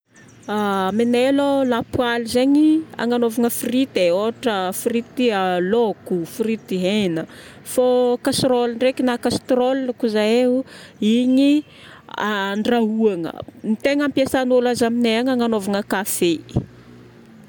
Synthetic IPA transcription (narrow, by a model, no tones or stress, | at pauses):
aminelolapwalizeɲia̰ŋanovaŋəfirit̪eoaʈ͡ʂəfirit̪ialokufiɾit̪iɦenə | fokasɾolɳɖ͡ʐekinakast̪rolinakuzaeuiɲi | aɳɖ͡ʐaɦuaŋə̰mit̪eŋampjesanolazamineaŋaŋanovaŋəkafe